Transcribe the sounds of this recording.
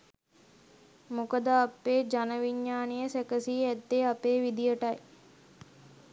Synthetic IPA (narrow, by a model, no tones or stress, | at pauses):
mukəd̪əapːeːd͡ʒanəʋiɲːaːnijəsækəsiːæd̪ːeapeːʋid̪ijəʈɐj